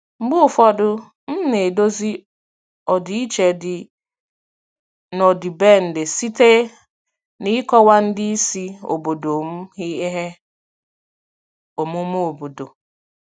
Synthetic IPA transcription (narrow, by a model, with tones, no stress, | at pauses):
ŋ͡m̩˦ɡ͡bʊ˦˨fɔ˦dʊ˦ | n̩˦ne˨do˦zi˦ | ɔ˨di˨i˦t͡ʃe˨dɪ˨ | nɔ˨dɪ˨be˦˨n̩˨dɪ˨si˦te˦ | ni˦kɔ˦wa˦n̩˦dɪ˦i˦si˦o̰˨bo˨do˨m̩˦ɦi˦e˦ɦe˦ | o˨mu˦m˦o˨bo˨do˨